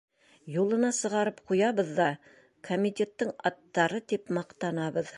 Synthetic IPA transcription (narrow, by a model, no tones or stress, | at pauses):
julˠɤ̆nɑsɤ̆ʁɑɾɤpqujɑβɤ̆ðːɑ | kʰomʲit̪ʲe̞t̪ːɤɴɑt̪ːɑɾɤt̪ipmɑqt̪ɑnɑβɤð